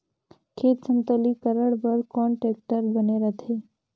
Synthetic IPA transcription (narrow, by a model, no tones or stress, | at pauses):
kʰeːt̪sə̃nt̪əlikəɾəɽbəɾkɔːɳʈeːk̚ʈəɾbəneɾət̪ʰeː